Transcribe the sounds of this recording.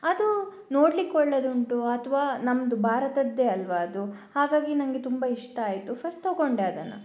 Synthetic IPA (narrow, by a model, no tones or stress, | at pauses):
ɐd̪u | noːɽlikɔɭːɐd̪uɳʈuɐt̪ʰɐʋaːnɐmɐd̪ubʱaːɾɐt̪ɐd̪ːe̞ːɐlʋaːd̪uhaːɡaːɡinɐŋɐɡet̪umbaiʂʈɐːjt̪upʰɐsʈt̪ɐɡoɳɖeɐd̪ɐnːṵ